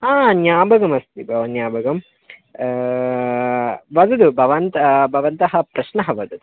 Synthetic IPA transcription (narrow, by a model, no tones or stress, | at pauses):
ɦaːnjaːbɐɡɐmɐst̪ibʱɐʋɐnjaːbɐɡɐm | ʋɐd̪ɐd̪ubʱɐʋɐnt̪ɐbʱɐʋɐnt̪ɐɦɐpɾɐʃnɐɦɐʋɐd̪ɐd̪u